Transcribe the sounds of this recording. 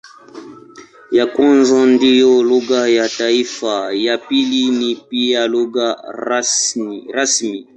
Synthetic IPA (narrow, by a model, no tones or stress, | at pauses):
jakɔ̃nzãndijɔluɡajataifajapilinipijaluɡa | ɾasmi